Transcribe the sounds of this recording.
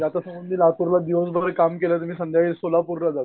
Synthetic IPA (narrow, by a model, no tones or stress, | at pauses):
d͡ʑjat̪asəmbənd̪ʱilapuɾlad̪iʋəs̬bʱaɾkamkelət̪um̤iːsə̃nd̪ʱjaʋiːlsolapuɾlad͡zat̪